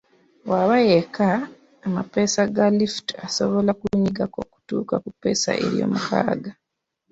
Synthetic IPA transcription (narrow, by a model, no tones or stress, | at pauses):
waβajekaː | mape̞saɡaliftasoβo̞lakuɲiɡako̞ku̥tuːkakupːe̞sa̰ʔe̞̰ɾjo̞̰ːmukʰa̰ːɡa